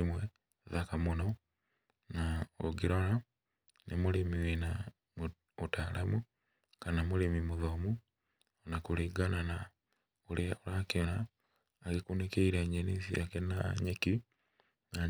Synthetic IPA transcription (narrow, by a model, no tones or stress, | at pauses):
imwe | zakamuno | nao̰ɡiɾola | nemulimiwina | mu | utaːlʔamu | kanamulimimuðomu | nakuliɡanana | uliolakinaː | ɣikunekeiɾeɲenisiakenaɲeki | na